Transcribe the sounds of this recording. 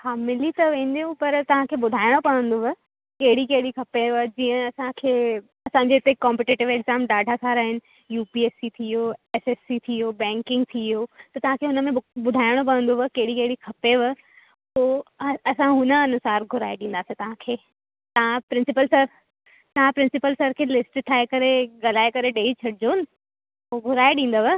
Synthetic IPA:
haːmɪlit̪ɐʋẽːn̆d̪ijũpɐɾt̪ɐʋ̤ãkʰeːɓʊd̪ʱaːɪɽ̃opɐʋə̃nd̪oʋə | kɐɦɪɽikɐɦɪɽikʰɐpeʋəd͡ʑiːə̃ɐsãkʰeː | ɐsãɲd͡ʑeɪt̪ekɔ̃ːmpɪʈeːʈɪʋeɡzaːmɖaːɖʱasaːɾaːɦɪnɪ̆ | juːpieːsit̪ʰioɛːseːsit̪ʰiobɛ̃ːŋkɪ̃ŋɡ̚t̪ʰioːt̪ɐt̪ɐʋãkʰeːɦʊnə̆mẽɓʊd̪ʱaːɪɽ̃op̬ɐə̃nd̪oʋəkɐɦɪɽikɐɦɪɽikʰɐpeʋə | poːɐsãɦʊnəɐnʊsaːɾɡʱʊɾaːeɗĩːn̆d̪aːsĩt̪ɐʋ̤ãkʰeː | t̪ɐãpɾɪ̃nsɪpəlsɐɾ | t̪ɐʋ̤ãpɾɪ̃nsɪpəlsɐɾkʰeːlɪsʈʈʰaːekɐɾeɠɐlaːekɐɾeɗeːit͡ɕʰɐɽɪd͡ʑonɪ̆ | oɡʱʊɾaːeɗĩːn̆d̪oʋə

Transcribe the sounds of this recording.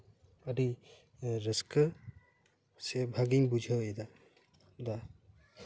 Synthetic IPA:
ədi | ɾəskə | sebʱaɡiŋbud͡ʒʱawed̪a | d̪a

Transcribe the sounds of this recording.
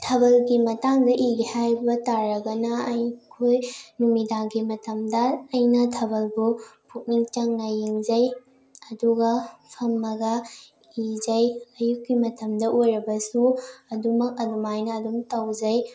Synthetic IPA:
tʰɐbɐlɡimɐtaŋdɐʔiɡihajbɐtaɾɐɡɐnɐɐjkʰojnumidaŋɡimɐtɐmdɐːjnɐtʰɐbɐlbupʰuk̚niŋt͡ʃɐŋːajiŋzɐj | ɐduɡɐpʰɐmːɐɡɐ | izɐjɐjukːimɐtɐmdɐʔojɾɐbɐsuɐdumɐk̚ɐdumajnɐːdumtɐwd͡ʒɐj

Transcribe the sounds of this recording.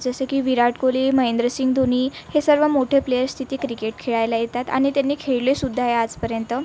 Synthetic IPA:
d͡zəsəkiːʋiɾaʈkoliməɦend̪ɾəsiŋɡd̪ʱoniːhesəɾʋəmoʈʰeplejəɾst̪ʰit̪iːkɾikeʈkʰeɭajlajet̪at̪a̰ɽ̃it̪janːiːkʰeɭlesud̪ʱːajead͡zpəɾjənt̪ə

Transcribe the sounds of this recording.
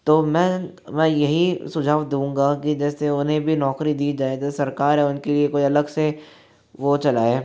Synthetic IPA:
t̪oːmɛ̃ː | mɛ̃ːjɐɦisʊd͡ʒʱaːʋd̪ũːŋ̆ɡakid͡ʒɛːseʊnɦẽbʱinɔːkɾid̪iːd͡ʒaːed͡ʒɛːesɐɾkaːɾɦɛʊnkeliekoiɐləɡse | ʋot͡ʃɐlaːeː

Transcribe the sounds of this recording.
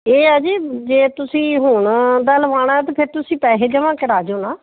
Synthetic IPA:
eːaːd͡ʒiːd͡ʒeːt̪ʊsĩːɦʊɳd̪aːləʋaːɽ̃aːɛt̪̬eːpʰɪɾt̪ʊsĩːpɛːɦeːd͡ʒəʋãːkɪɾaːd͡ʒoːnaː

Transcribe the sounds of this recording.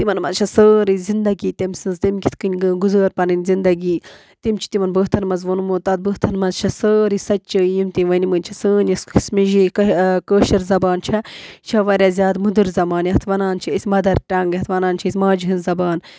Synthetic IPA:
t̪imɐnmɐzt͡ʃʰɐsəːɾizind̪ɐɡiːt̪emsɨnzt̪imkʲit̪ʰkɨnʲɡuzəːɾpɐnɨnʲzind̪ɐɡiː | t̪imt͡ʃʰi̥t̪imɐnbəɦt̪ʰɐnmɐzʋɐnumot̪ɐd̪̚bəːt̪ʰɐnmɐzt͡ʃʰɐsəːɾisɐtt͡ʃɐjimt̪iʋɐnimənʲt͡ʃʰɐsəːnʲɐssmiʒikɐkəːʃɐɾzɐbaːnt͡ʃʰɐt͡ʃʰɐʋɐɾʲazʲjaːd̪mud̪ɨɾzɐmaːnjiɦɐt̪ʰʋɐnaːnt͡ʃʰiisʲmɐd̪ɐɾʈɐŋɡɦɐt̪ʰʋɐnaːnt͡ʃʰiisʲmaːd͡ʒiɦɨnzɐbaːn

